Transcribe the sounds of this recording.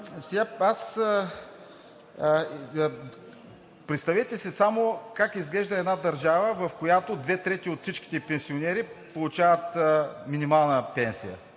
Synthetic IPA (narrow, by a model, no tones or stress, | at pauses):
sɛɡaas | pɾɛt̪st̪ɐvɛt̪ɛsisamokakizɡlɛʒd̪əɛd̪nad̪ɐɾʒavəvɐfkojat̪od̪vɛt̪ɾɛt̪iot̪fsit͡ʃki̥t̪ɛpɛnsionɛɾipolˠut͡ʃavət̪əminimalˠnəpɛnsḭjə̰